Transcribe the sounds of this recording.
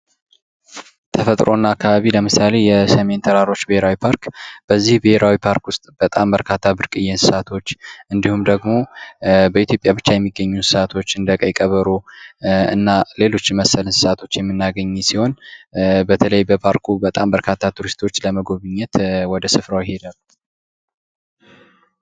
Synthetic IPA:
t̪ʰəfət̪ʼɾo̞nːaakʰːaβaβiləmɨsale̞jɛsəme̞nt̪ʰəɾaɾo̞t͡ʃːbɪheɾawipʰaɾkb̥əzːihbɪheɾawipʰaɾkwʊst̪ʼb̥ət̪ʼambəɾkʰat̪ʰːabɨɾkʼɨjɛnsɨ̥sat̪ʰo̞t͡ʃːʔɨnd̪ihumd̪əɡmo̞bəit̪jo̞pʼjaβɨt͡ʃːajɛmːiɡːəɲːunsɨ̥sat̪ʰo̞t͡ʃːɨnd̪əkʼəjkʼəβəɾu | ɨ̰nːale̞lo̞t͡ʃːɪməsːəlɨnsɨ̥sat̪ʰo̞t͡ʃːjɛmːɨnːaɡəɲːɛsiho̞n | bət̪ʰələjbəpʰaɾkʰubət̪ʼambəɾkʰat̪ʰːat̪ʰuɾist̪ʰo̞t͡ʃːləməɡo̞βɨɲːɛt̪wɔd̪əsɨfɾawjɪhe̞d̪al

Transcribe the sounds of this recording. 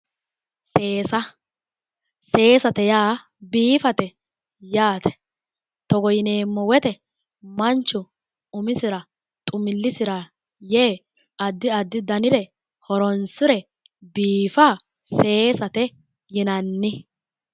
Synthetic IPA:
seːsɐ | se̞ːsɐt̪ɛjaː | biːfɐt̪ɛ | jaːt̪ɛ̥ | t̪ɔɡɔjɪneːmːɔwɛt̪ɛ | mɐnt͡ʃːʊ | ʊmɪsɪɾɐ | t̪ʼʊmɪlːɪsɪɾɐ | jeː | ɐd̪ːɪɐd̪ːɪd̪ɐnɪd̪ɛ | hɔɾɔnsɪɾɛ | biːfaː | se̞ːsɐt̪ɛ | jɪnɐnːɪ

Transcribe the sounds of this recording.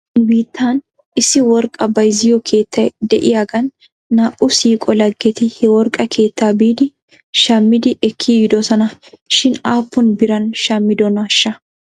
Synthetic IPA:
biːt̪ʰːaːn | ɪsːɪwɔɾkʼːɐbɐjzɪjɔkʰe̞ːt̪ːɐjd̪ɛʔɪjaːɡɐnː | aːʔʊsiːkʼɔlɐɡːɛt̪ɪhɛwɔɾkʼːɐkʰe̞ːt̪ːaːbiːd̪ɪ | ʃɐmːɪd̪ɪʔɛkʰːiɡɪd̪ɔsɔnɐʃɪnaːpːʊnbɪɾɐnʃɐmːɪd̪ɔnɐʃːɐ

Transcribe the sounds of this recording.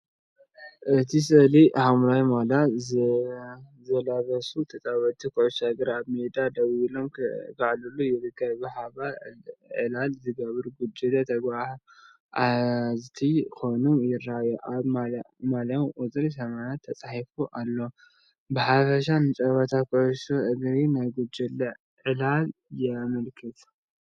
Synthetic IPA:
ʔɨt̪ʰisɨlihamɾajmala | zɐlaβɐsut̪ʰɐt͡sʼaβɐt̪ʰikʰɨʕuʃaɡɨɾaβmed̪ad̪ɐwilomkʰaʕlulujɪɾɨɡajbɨħaβaʕɨ̰lalzɨɡɐβɨɾɡud͡ʒid̪ɐt̪ʰɐɡbaħ | ʔazt̪ʰikʰonumjɪɾajuʔaβa | malɐmʔuzʼɨɾisɐmanat̪ʰːɐt͡sʼaħifuʔalːo | bɨħafɐʃ̬anɨt͡ʃʼɐβɐt̪ʰakʰɨʕʊʃuʔɨɡɾinajɡud͡ʒɛlːɐ | ʕɨlaljɛmɐlkʰɨt̪ʰ

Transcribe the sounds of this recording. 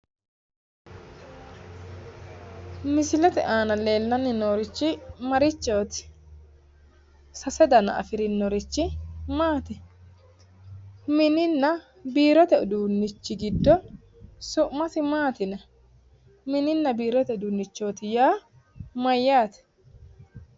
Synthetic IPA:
mɪsɪlɛt̪ɛ̰ʔaːnɐle̞ːlːɐnːɪnoːɾɪt͡ʃːɪmɐɾɪt͡ʃːo̞ːt̪ɪ̥ | sɐsɛd̪ɐnɐ̰ʔɐ̰fɪɾɪnːɔɾɪt͡ʃːɪmaːt̪ɛ | mɪnɪnːɐ | biːɾɔt̪ɛʊd̪uːnːɪt͡ʃːɪɡɪd̪ːɔ | sʊʔmɐt̪ɪmaːt̪ɪnɐ | mɪnɪnːɐbiːɾɔt̪ɛd̪uːnːɪt͡ʃːo̞ːt̪ɪjaː | mɐjːaːt̪ɛ̥

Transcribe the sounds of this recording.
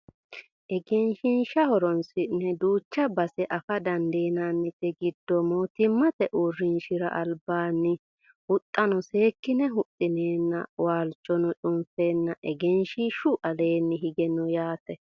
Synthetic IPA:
ʔɛɡɛnʃɪnʃɐhɔɾɔnsɪnːɛd̪uːt͡ʃːɐbɐsɛʔɐfɐd̪ɐnd̪e̞ːnaːnːɪt̪ːɛɡɪd̪ːɔmːɔt̪ɪmːɐt̪ɛʔʊrːɪnʃɪɾɐ̰ʔɐlbaːnːɪ | hʊt̪ʼːɐnɔseːkːɪnɛɦʊt̪ʼːɪneːnːɐ̰waːlt͡ʃʼːɔnɔt͡ʃʼʊmfe̞ːnːɐʔɛɡɛnʃɪʃʊʔɐle̞ːnːɪɦɪɡɛnɔjaːt̪ɛ

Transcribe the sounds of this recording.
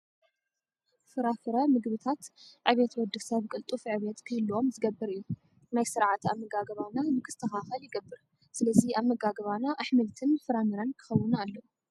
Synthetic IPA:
fɨɾafɨɾɐmɨɡβɨt̪ʰat̪ʕɨβet̪wɐd̪ɨfsɐβkʼɨlt̪ʼufʕɨβet̪kʰɨhɨlːuo̞mzɨɡɐbːɨɾɨjːu | najsɨɾʕat̪aβmːɨɡaɡɐβanamɨkʰɨ̥st̪ʰɐxaxɐljɪɡɐbːɨɾ | sɨlɐziaβmːɐɡaɡɐβanaʔaħmɐlt̪ʰɨnfɨɾamɨɾɐnkʰɨ̥xɐwːɨnalːɐu

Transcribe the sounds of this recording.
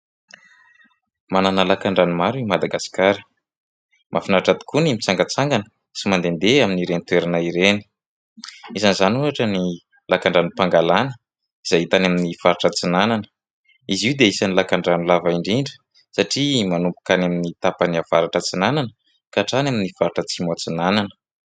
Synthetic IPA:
mananalakaɳɖ͡ʐanumaɾimad̪aɡasi̥kaɾə̥ | mʔafinaʈ͡ʂat̪i̥kunimit͡saŋɡat͡saŋɡanə̥ | simand̪end̪eaminiɾenit̪weɾanaiɾeni̥ | izanizanunaʈ͡ʂəni | lakaɳɖ͡ʐanipaŋɡalanə | iz̥ait̪anaminifaɾiʈ͡ʂət͡sinananə̥ | iziwd̪eisanilakaɳɖ͡ʐanulavaiɳɖ͡ʐiɳɖ͡ʐə̥ | saʈ͡ʂimanumpu̥kanaminit̪apaniav̥aɾaʈ͡ʂət͡sinananə | kaʈ͡ʂanaminifaɾiʈ͡ʂət͡simat͡sinananə̥

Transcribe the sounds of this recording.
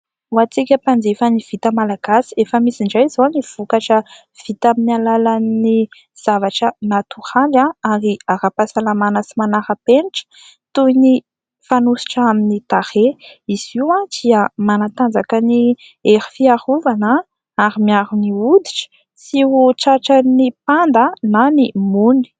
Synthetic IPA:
wat͡sikʲəpand͡zefəniv̥it̪əmalaɡasi̥efəmisiɳɖ͡ʐajzoniv̥ukaʈ͡ʂə | v̥it̪aminialalani | z̥avaʈ͡ʂənat̪uɾalaaɾiaɾapasalamanəsimanaɾəpeniʈ͡ʂə̥ | t̪uini | fanusi̥ʈ͡ʂaminit̪aɾeiz̥iwãd̪̥iəmanat̪and͡zakəni | eɾi̥fiaɾuvanə | aɾimiaɾuniud̪iʈ͡ʂə̥ | siuʈ͡ʂaʈ͡ʂənipand̪ənanimuni̥

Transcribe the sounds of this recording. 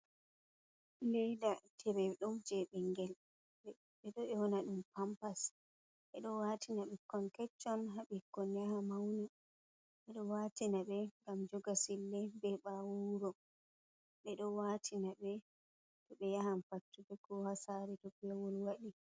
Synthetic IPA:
lɛdatʰɛbɛɗɔmd͡ʒɛɓɛŋɡɛl | ɓɛɗɔɛwɔnaɗumpampas | ɓɛɗɔwatinaɓɛkɔnkɛt͡ʃːɔnɦaɓikːɔnjahamawni | ɓɛɗɔwatinaɓɛŋɡamd͡ʒɔɡasilːɛbɛɓawuɾɔ | ɓɛɗɔwatʰinaɓɛ | tɔɓɛjahamfatːubɛɡɔhasaɾɛdɔɡɛwɔlwaɗi

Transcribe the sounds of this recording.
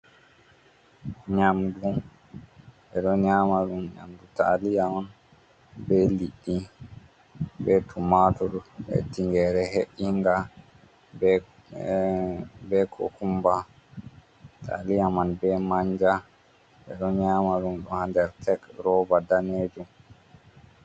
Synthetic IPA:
ɲamdu | ɛɗɔɲaːmaɗumɲa̰mduta̰lijaman | bɛliɗːi | bɛtʰumatɔɗuɛ̰tiŋɡɛɾɛɦeʔiŋɡa | b | bɛkʰɔ̰kumba | tʰa̰lijamanbɛmaɲd͡ʒa | ɓɛ̰ɗɔɲaːmaɗunɗɔhandɛɾtʰɛkɾɔbadaned͡ʒum

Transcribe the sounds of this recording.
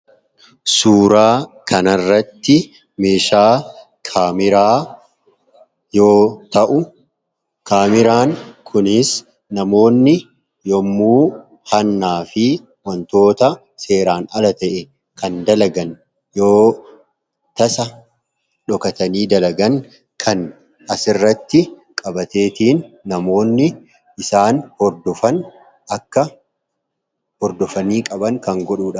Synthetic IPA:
suːɾaːkʰɐnɐrːɐt̪ːɪ | meːʃaː | kʰaːmɪɾaː | jo̞ːt̪ɐʔʊ | kaːmɪɾaːŋkʰʊnɪs | nɐmo̞ːnːɪ | jɔmːuː | hɐnːaːfɪ | wɐnt̪o̞ːt̪ɐ | se̞ːɾaːnɐlɐt̪ɐʔɛ | kɐnd̪ɐlɐɡɐn | joː | t̪ɐsɐ | ᶑɔkɐt̪ɐniːd̪ɐlɐɡɐŋ | kʰɐn | ɐsɪrːɐt̪ːɪkʼɐbɐt̪e̞ːt̪iːnːɐmo̞ːnːɪ | ʔɪsaːnhɔɾd̪ɔfɐn | ʔɐkːɐ | hɔɾd̪ɔfɐniːkʼɐbɐŋkɐŋɡɔɗuːᶑɐ

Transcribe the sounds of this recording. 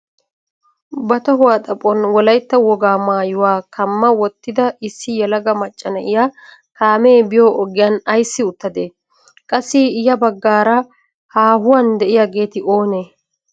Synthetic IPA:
bɐt̪ɔɦʊwaːt̪ʼɐpʼːɔnwɔlɐjt̪ːɐwɔɡaːmaːjʊwaːkʰɐmːɐwɔt̪ːɪd̪ɐʔɪsːɪjɛlɐɡɐmɐt͡ʃʼːɐnɐʔɪja | kaːmeːbɪjoːʔɔɡɪjaːnɐjsːɪʊt̪ːɐd̪eː | kʼɐsːɪɪjɐbɐɡːaːɾɐ | haːɦʊwand̪ɛʔɪjɐɡe̞ːt̪ɪʔo̞ːneː

